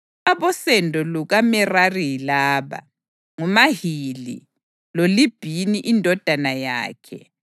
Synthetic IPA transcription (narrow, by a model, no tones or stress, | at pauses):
aβɔsɛndʱɔluɣamɛrarilaːβa̰ | ŋumaɦilḭ | lolib̥ʱiniʔindʱɔd̥ʱanaja̰ːkʰɛ